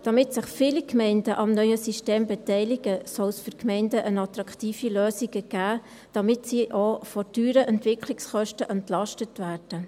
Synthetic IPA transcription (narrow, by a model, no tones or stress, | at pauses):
d̥ɑmɪtsɪχfiːlikʰmɛɪndəʔɑmnœʏəsiʃteːmbɛtɛɪlɪɡ̥əsɔlsfyɾkʰmɛɪndəʔənɑt̪ɾɑkχtiːfiløːsiɡ̥əɡ̥æː | d̥ɑmɪtsiʔofɔɾdyːɾəʔɛntʋɪkʰlɪksχœʃtəʔɛntlɑʃtətʋæːrd̥ə